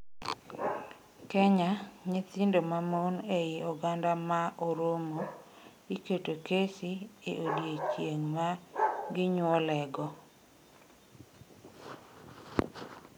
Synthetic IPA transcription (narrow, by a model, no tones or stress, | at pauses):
kɛɲaɲet̪ɪndomamonejiɔɡandamaʔoɾomo | iketokesieʔodjet͡ʃjeŋmaɡɪɲwɔlɛɡɔ